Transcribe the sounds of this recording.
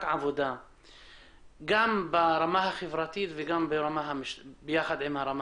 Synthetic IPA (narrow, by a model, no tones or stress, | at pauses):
kʕavod̪a | ɡambaɾamaɦaχevɾat̪it̪veɡambeɾamaɦamiʃbejaχad̪ʕimhaɾam